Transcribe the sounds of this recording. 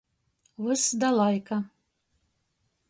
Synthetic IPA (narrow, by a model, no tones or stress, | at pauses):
wɨsd̪alˠajkɐ